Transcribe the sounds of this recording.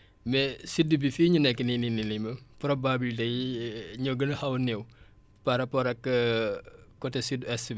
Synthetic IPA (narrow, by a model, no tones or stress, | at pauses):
mɛsidːubifiːɲunɛkːəninininimɐpɾɔbabildɐjɲɔɡənɐhɐwnɛw | paɾɐpɔɾɐkː | kɔtɛsidɛsbi